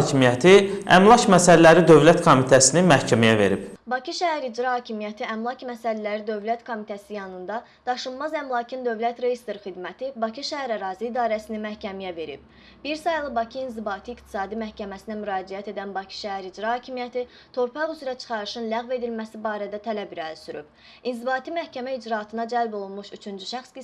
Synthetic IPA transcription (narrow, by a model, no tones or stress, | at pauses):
cʰimijæt̪ʰiæ̰mlˠɑcmæsællːæɾid̪ø̞vlæt̪kʰomit̪ʰæsininmæhcʰæmijæve̞̰ɾib̥bɑcʰiʃæɦæɾid͡ʒɾɑhɑːcʰimijæt̪ʰiæmlˠɑcmæsællæɾid̪ø̞vlæt̪kʰo̞mit̪ʰæsijɑnɯnd̪ɑ | d̪̥ɑʃɯnmɑzæmlˠɑːcʰind̪ø̞vlæt̪ɾejist̪eɾxid̪mæt̪ʰibɑcʰiʃæɦæɾæɾɑːziːd̪ɑːɾæsininmæhcʰæmijæve̞ɾḭb̥̚ | b̥iɾsɑjlˠɯbɑcʰiːnzibɑːt̪ʰiːkt̪ʰi̥sɑːd̪imæhcʰæmæsinæmyɾɑːd͡ʒijæt̪e̞d̪ænbɑcʰi̥ʃæɦæɾid͡ʒɾɑhɑːcʰimijæt̪ʰi | t̪ʰo̞ɾpʰɑʁyzyɾæt͡ʃʰɯ̥χɑɾɯʃɯnlæɣve̞d̪ilmæsibɑːɾæd̪æt̪ʰælæbiɾælsyɾy̰b̥ | inzibɑːt̪ʰimæhcæmæid͡ʒɾɑːt̪ʰɯnɑd͡ʒælbo̞lˠunmuʃyt͡ʃʰynd͡ʒyʃæχski